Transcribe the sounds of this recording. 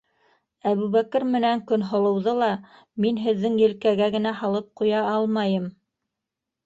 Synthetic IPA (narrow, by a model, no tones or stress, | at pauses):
æβʉβækɘɾmɘ̆næŋkɵnɦŏlˠɤ̆wðɤlˠɑ | minɦɘ̆ðːɘŋjɘ̆lkæɡæɡɘ̆næɦɑlˠɤp̚qujɑɑlˠmɑjɤm